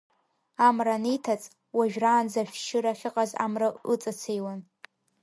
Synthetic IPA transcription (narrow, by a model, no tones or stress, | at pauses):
amranitʰat͡sʼ | waʒᶣraːnzaʃᶣʃɨɾaχʲɪqʼaza̰mraɨt͡sʼat͡sʰejwan